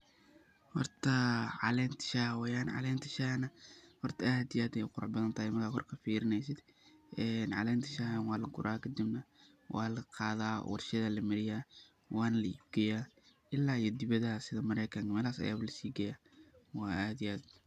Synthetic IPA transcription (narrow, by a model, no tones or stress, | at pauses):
hɑ̰rt̪ʰɐʕɑ̰lɛːnt̪ʰɪ̥ʃaːwɛjaːnʕɑ̰lɛːnt̪ʰɐ̥ʃahnɐhɔrt̪ʰɐʔaːd̪ɪjaːd̪ɛjʊqʊɾʊ̰ħbɐðɐnt̪ʰahɪmɐrkʰaːkʰɔ̰rkʰɐfiːɾɪnɛjsɪd̪ | ʔɛːnʕɑ̰lɛːnt̪ʰɐ̥ʃahɐnwɑːlɐkʊ̰ɾʔaːkʰɐd̪ɪbnɐ | wʔɑ̰ːlɐqɑːðaːwʔɑ̰rʃɐðɐlɐmɪɾɪjaː | wɑːnɐlɐḭbɡɐjaː | ʔɪlaːijɔd̪ɪβɐðɐsɪðɐmɐɾɛjkʰɐŋmɛːlaːsɐ̰jaːβɐlɐsiːɡɐjaː | wɑːʔaːd̪ɪjaːd̪̚